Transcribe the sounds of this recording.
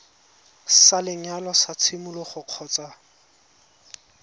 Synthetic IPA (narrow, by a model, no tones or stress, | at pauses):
salɪɲalɔsat͡sʰɪmʊlɔχʊq͡χʰɔːt͡sa